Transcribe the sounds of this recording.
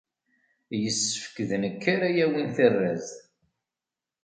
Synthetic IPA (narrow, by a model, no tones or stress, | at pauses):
jəsːə̥fə̥kːðnəkːaɾæjæwinθərːæz